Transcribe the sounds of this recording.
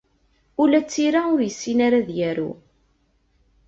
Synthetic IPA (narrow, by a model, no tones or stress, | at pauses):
ʊlæt͡sːiɾaʊɾjəsːinaɾaðjæɾṵ